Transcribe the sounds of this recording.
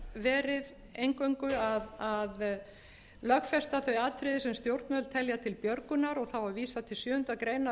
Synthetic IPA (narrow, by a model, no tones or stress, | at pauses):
vɛːɾɪð | ejŋkoɥŋkʏaðað | lœxfɛst̪aθœɥaːt̪ʰɾɪðɪsɛmst̪jowɾt̪mœlt̪ʰɛljat̪ʰɪlpjœɾkʏnaɾɔɣθawaviːsat̪ʰɪlsjœːhʏnt̪akɾejna